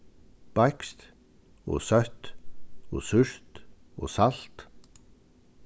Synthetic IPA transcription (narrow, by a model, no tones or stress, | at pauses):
b̥aɪkst̪ | o̰ːsœt̪o̰ːsʉɹ̥t̪o̰ːsalt̪